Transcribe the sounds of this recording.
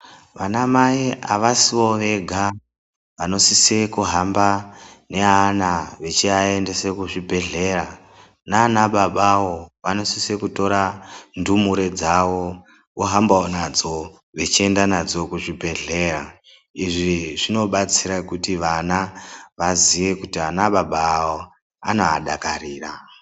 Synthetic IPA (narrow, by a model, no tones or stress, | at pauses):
ʋanamaiaʋasiʋo̞ʋe̞ɡʱa | ʋano̞sisekuɦambane̞anaʋe̞t͡ʃiae̞nde̞se̞kuʐibʱe̞ɮe̞ɾa | naːnaɓaɓawo̞ʋano̞sisekuto̞ɾandumuɾe̞d͡zawo̞ | woɦambaonad͡zo̞ | ʋe̞t͡ʃie̞ndanad͡zo̞kuʐibʱe̞ɮe̞ːra | iʐiʐino̞ɓat͡siɾakutiʋanaʋaziʋe̞kutianaɓaɓaːo | anoaɗakariːra